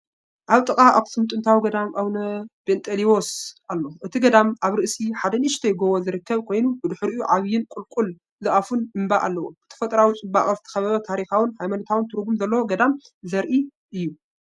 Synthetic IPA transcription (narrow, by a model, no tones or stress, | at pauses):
ʔaβt̪ʼɨkʼaʔa̰ft̪ʰsɨmt̪ʼɨnt̪ʰawiɡɐd̪amʔawnɐb̥ent̪ʼʰeliosalːo̞ʔɨt̪ʰiɡɐd̪amʔaβɾɨʔsiħad̪ɐniʃt̪ʰɐjɪɡowozɨɾɨkːɐβkʰo̞jnubɨd̪ɨħɨɾɨjuʕaβjɪnkʷʼulkʼul | zɨʔafunɨmbaʔa̰lːɐwuɨt̪ʰɐ̥fɐt̪ʼɐɾawit͡sʼɨmba̰χʼɐzt̪ʰɐ̥xɐβɐβɐt̪ʰaɾixawɨnhajmanɐt̪ʰawɨnt̪ʰɨɾɡumzɐlːɐwoɡɐd̪amzɐɾʔi | ʔɨjːu